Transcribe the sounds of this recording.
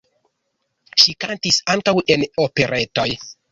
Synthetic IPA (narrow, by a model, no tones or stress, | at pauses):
ʃikantisaŋkawʔe̞no̞pe̞ɾʔe̞to̞j